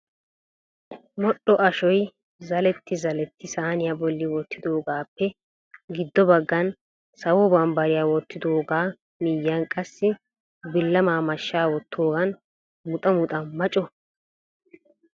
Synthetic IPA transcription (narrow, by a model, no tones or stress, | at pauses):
mɔɗːɔʔɐʃɔj | zɐlɛt̪ːɪzɐlɛt̪ːɪsaːnɪjaːbɔlːɪwɔt̪ːɪd̪o̞ːɡaːpːɛ | ɡɪd̪ːɔbɐɡːɐn | sɐwɔbɐmbɐɾɪjaːwɔt̪ːɪd̪oːɡaː | mɪjːɐnkʼɐsːɪ | bɪlːɐmaːmɐʃːaːwɔt̪ʰːoːɡɐn | mʊt̪ʼɐmʊt̪ʼɐnmɐt͡ʃʼɔ